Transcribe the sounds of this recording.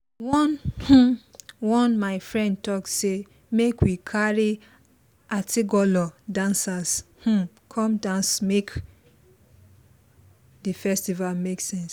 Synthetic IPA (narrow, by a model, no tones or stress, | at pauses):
wɔnhũwɔ̃nmaɪfɹɛ̃nd̚tɔk̚tse | mekwikʰaɹi | atiɡɔlɔdãnsash̩ | kʰɔ̃mdãnsmek | difɛstivalmeksɛ̃ns